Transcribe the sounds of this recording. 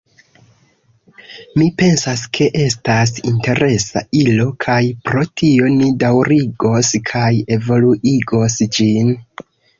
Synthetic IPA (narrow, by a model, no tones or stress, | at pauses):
mipe̞nsaskʰe̞ʔe̞stas̬inte̞ɾʔe̞sa̰ilo̞kʰajpɾo̞tʰio̞nidawɾiɡo̞skʰaje̞vo̞luʔiɡo̞sd͡ʒin